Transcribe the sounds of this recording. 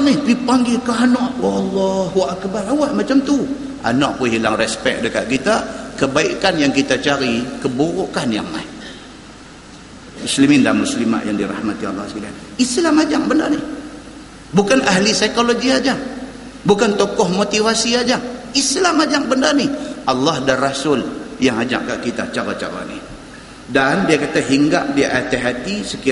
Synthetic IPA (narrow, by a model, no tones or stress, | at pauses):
nihbipaŋɡilkaɦanɔʔwalːɔɦuʔakbaɾawaʔmat͡ʃamt̪u | ʔa̰naʔwəɦilaŋrɛspɛ̰k̚dəka̰ʔ̚kit̪akəbaikanjaŋkit̪at͡ʃaɾikəboɣokanja̰ŋma̰i | muslimɪnda̰muslima̰ʔjaŋdiɾa̰hmat̪ia̰lːɔ̰sila | islamad͡ʒaŋbəndarnɪh | bukanaɦlisaikoloɡiad͡ʒaŋ | bukant̪ɔkɔhmot̪ivasiad͡ʒaŋislamad͡ʒaŋbəndarniʔɑlːɑhdarasʊljaŋad͡ʒa̰ʔkaʔkit̪at͡ʃaɾat͡ʃa̰ɾa̰nḭ | dandiakat̪aɦiŋɡa̰ʔdiʔat̪eɦat̪isəki